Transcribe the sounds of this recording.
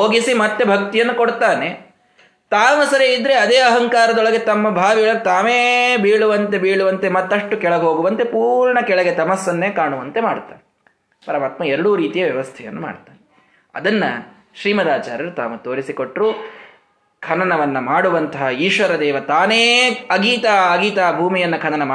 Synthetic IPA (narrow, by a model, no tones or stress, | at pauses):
ɦoːɡisimɐt̪ːe̞bʱɐk̚t̪ijɐnːukoɽt̪aːne̞ | t̪aːmɐsɐɾeid̪ɾe̞ɐd̪eːɐɦɐŋkaːɾɐd̪ɔɭɐɡe̞t̪ɐmːɐbʱaːʋiɐɭɐɾut̪aːmeːbiːɭuʋɐnt̪e̞biːɭuʋɐnt̪e̞mɐt̪ːɐʂʈukɛɭɐɦo̞ːɡuʋɐnt̪e̞puːɾɳɐkɛɭɐɡe̞t̪ɐmɐsːɐnːeːkaːɳuʋɐnt̪e̞maːɽt̪a̰ːne | pɐɾɐmaːt̪mɐɛɾɐɽuɾiːt̪ijɐʋjɐʋɐst̪ʰɛjɐ̰nːuma̰ːɽt̪ːaːɾe | ɐ̰d̪ɐnːɐ̰ | ʃɾiːmɐd̪aːt͡ʃa̰ːɾɐɾut̪a̰ːmut̪oːɾisiko̞ʈːɾuː | kʰɐnɐnɐʋɐnːɐmaːɽuʋɐnt̪ɐɦɐiːʂʋɐɾɐd̪ɛːʋɐt̪aːneːɐɡiːt̪aːɐɡiːt̪aːɐbʱuːmijɐnːɐkʰɐɳɐnɐmː